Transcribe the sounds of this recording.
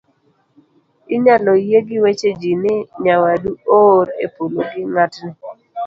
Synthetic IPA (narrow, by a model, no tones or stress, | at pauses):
ɪɲalɔjeɡɪwet͡ʃed͡ʒinɪɲawaduoɾḛpoloɡɪŋatnɪ